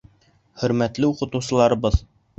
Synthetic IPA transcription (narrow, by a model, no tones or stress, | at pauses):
χɵ̆ɾmæt̪lɘuqɤ̆t̪ɤ̆wsɤ̆lˠɑɾɤ̆βɤð